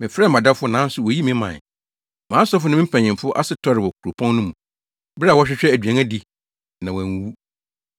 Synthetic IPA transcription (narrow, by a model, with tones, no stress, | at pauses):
mɪ̃˨fɾɛ˦m˨a˨da˦fʊ˦nã˨˦n˦sʊ˨wo˨ji˦mɪ̃˦mã̰˨ | mãː˨˦sɔ˦fʊ˦nʊ̃˦mɪ̃˦m̩˦pʰæ̃˨ɲɪ̃˨fʊ˦ʔa˦sɪ˦tʰɔ˦ɾɪ˨wɔ˨kʰu˨ɾo˨pʰɔ̃˦nnʊ̃˦mũ˨ | bɾa˨wɔ˦ɕᶣɪ˦ɕᶣɛ˦æ˨dᶣɥɛ̃˨ŋæ˦di˦ | nã˨wɛ̃˨n˦wu˦